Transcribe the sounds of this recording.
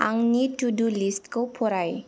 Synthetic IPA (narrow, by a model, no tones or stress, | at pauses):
a̰ŋnitudulistkowpʰɔɾaj